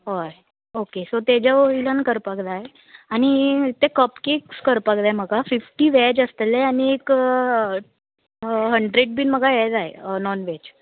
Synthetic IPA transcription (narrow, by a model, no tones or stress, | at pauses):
ɦoje | okesot̪ed͡ʑaoilankəɾpakd̪aɦe | aɽ̃it̪ekəpkikskəɾpak̚d̪aem̤əɡʱafifʈiːʋɛd͡ʑəst̪eleaɽ̃iek | ɦəɳɖɾeɖ̚biːnməɡʱajeɭd͡z̪aɦḛnɔnʋed͡ʑ